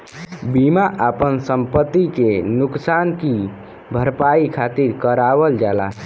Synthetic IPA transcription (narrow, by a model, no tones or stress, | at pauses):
bimaʔapənsəmpət̪ːikenuksanki | bʱəɾpaikʰat̪iɾkəɾabəld͡ʒala̰